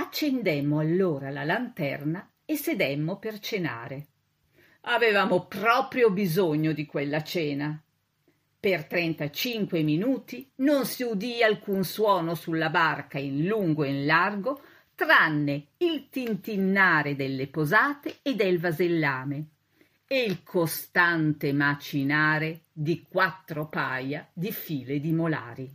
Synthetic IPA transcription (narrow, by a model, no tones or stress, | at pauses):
at͡ʃːend̪emːoalːoːɾalalant̪ɛ̰rna | esed̪emːopert͡ʃena̰ːɾe | avevaːmopɾɔːpɾjobizoɲːod̪ikwelːat͡ʃɛːna | pert̪ɾɛnt̪at͡ʃiŋkweminuːt̪inonsiud̪ialkunswɔːnosulːabarkainluŋɡoinlarɡo | t̪ɾanːeilt̪int̪inːaːɾed̪elːepozaːt̪eːd̪elvazelːaːme | eilkʰost̪ant̪emat͡ʃinaːɾed̪ikwat̪ːɾopajad̪ifiːled̪imola̰ːɾi